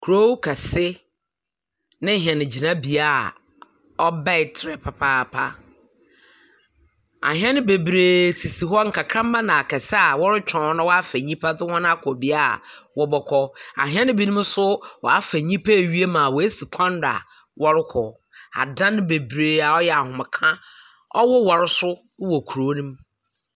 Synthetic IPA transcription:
kʰu˨ɾo˦wkʰa˨sɪ˦ | nɪ̃˦ɦɛ̃˨nɪ̃˨d͡ʑi˨nã˦bi˨a˦˨ | ɔ˦ba˦ɪ˨tʰɾɛ˨pʰa˨pʰaː˦˨pʰa˦ | a̰˨ɦɛ̃˦nɪ̃˦be˨bɾeː˨sʰi˨si˨ɦɔ˦ŋ̩˨kʰa˨kʰɾã˦mː˦ã˦nã˨a˨kʰɛ˨sɪ˦a˨wɔ˦ɾɪ˦t͡ɕᶣʰɔ̃˨˦nʊ̃˦wɔ˦a˦fæ˨ɲĩ˦pʰa˦dɪ˦hɔ̃˦n˦a˦kʰɔ˨bi˦a˦˨wɔ˦bɔ˦kʰɔ˦a̰˨ɦĩ˦ɛ˦nʊ̃˦bi˦nũ˦m˦sʊ˦wɔ˨a˦fæ˨ɲĩ˦pʰa˦˨ɥi˦e˦mã˨wɔ˨e˦si˨kʷʰã˦n˦da̰˨ | wɔ˦ɾɪ˦kʰɔ˨ | a̰˨dã˦nʊ̃˦be˨bɾeː˨a˨ɔ˦jɛ˨a˨hʊ̃˨m˨kʰã˦ | ɔ̰˦wɔ˦wɔ˨ɾɪ˦sʊ˦ | wɔ˨kʰu˨ɾo˨˦nũ˦m

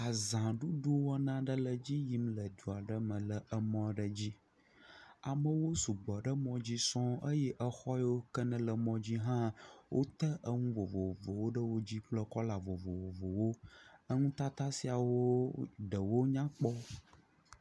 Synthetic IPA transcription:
a˨zã˨ɖu˦ɖu˦wɔ˦nã˦ɖə˦lə˨d͡ʑi˦ji˦mlə˨d̪u˨a˨ɖə˦mə̃˨lə˨ə˦mɔ̃˦ɖə˦d͡ʑi˦ | a˨mə̃˨wo˦su˨ɡ͡bɔ˨ɖə˦mɔ̃˦d͡ʑi˦sɔ̃˦ə˦jɛ˦ʔə˦xɔ˦jo˦kə˦nə̃˨lə˨mɔ̃˦d͡ʑi˦ɦã˦wʔo˦t̪ə˦ʔə˦ŋũ˦vo˨vo˨vo˨wo˦ɖə˦wo˦d͡ʑi˦k͡plə˦kɔ˦la˨vo˨vo˨vo˨vo˨wo˦ə˦ŋũ˦t̪a˦t̪a˦si˨a˨wo˦ɖə˨wo˦ɲã˦k͡pɔ˦

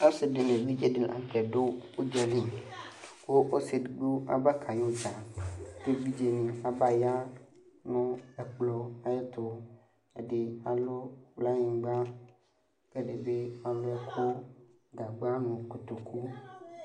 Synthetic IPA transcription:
a˦sɪ˨dɪ˨nẽ˨vi˦d͡ʒe˦de˦ʔa̰˨kɛ˨ɖo˦o˦d͡ʒɔ˨lĩ˦ | wo˦ʔo˦sɪ˨dɡ͡bo˦a̰˨ba˦kʰa˨jo˦d͡ʒa˨de˦bi˦d͡ʒe˨nĩ˨a˨ba˨ja˦ | nɔ̃˦ɛ˨k͡plɔ˨a˦je˦t̪ʊ˦ | e˨ɖe˨a˨lo˦wla˦ɲĩ˨ɡ͡ba˦ | ɡ̥e˦ɖe˨be˦a˨lʊ˦ɛ˦kʰʊ˦ | ɡa˨ɡ͡ba˦nũ˨ku˨t̪o˨kʰu˦

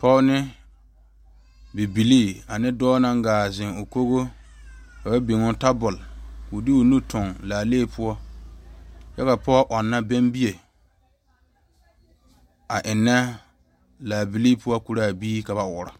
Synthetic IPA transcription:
pʰɔ˦nɪ˦ | bɪ˨bi˨liː˦˨a˨nɪ˦dɔː˦na˦ŋ˦ɡaː˨zɪ˨ŋʊ˨ko˦ɣo˦ | ka˨ba˦bi˨ŋʊ˦ta˦bʊ˨lkʊ˨dɪ˦o˨nu˦tʰʊ˨ŋlaː˨leː˦˨pʰʊ˦ɔ˦ | jɛ˦ka˨pɔ˦ʔɔ˨nːa˦bɛ˦mbi˦je˨ | a˨ʔɪ˨nːɛ˦ | laː˨bi˨liː˦pʰʊ˦ɔ˦ku˨ɾa˦˨biː˦ka˨βa˨wʊ˨ɾa˨

